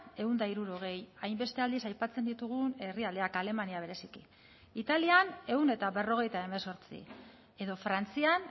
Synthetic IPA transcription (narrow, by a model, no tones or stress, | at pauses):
e̞und̪aiɾuɾo̞ɣ̞e̞jajmbe̞st̪e̞ald̪isajpat͡se̞nd̪it̪uɣ̞une̞riald̪e̞akale̞maniaβe̞ɾe̞sikḭ | it̪aliane̞une̞t̪aβe̞ro̞ɣ̞e̞jt̪ae̞me̞so̞ɾt͡sḭ | e̞ðo̞fɾant͡sian